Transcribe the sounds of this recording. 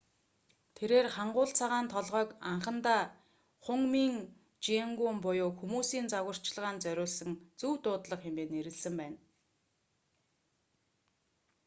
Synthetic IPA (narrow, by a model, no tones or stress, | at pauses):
t̪ʰeɾeːrχaɴɢʊːɮt͡sʰaʁaːnt̪ʰɔɮʁœːkaɴχə̆nt̪aː | χʊŋmiːŋ | t͡ɕieŋɡuːmpʊjʊːxumuːsiːnt͡saɣə̆r̥t͡ɕɮʁaːnt͡sœɾʲʊːɮsə̆ŋt͡suwt̪ʊːt̪ɮə̆χxemeːneɾɘ̆ɮsɘ̆mpæːn